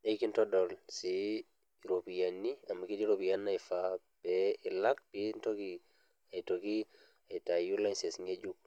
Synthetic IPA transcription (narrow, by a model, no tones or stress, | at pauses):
ajkintɔdɔlsi | ɾopijanːiamakidiɾopijanːajfa | b̥ɛɪlak̚pintɔki | atoki | atajulansɛsŋed͡ʒuk̚